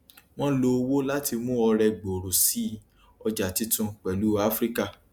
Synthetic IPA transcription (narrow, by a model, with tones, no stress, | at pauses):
w̃ɔ̃˦lo˧wo˦la˦ti˧mũ˦ɔ˧ɾɛ˧ɡ͡bo˨ɾo˨si˨˦ | ɔ˧d͡ʒa˨ti˨˦tũ˧k͡pɛ˨lu˨˦a˦fɾi˦ka˦˨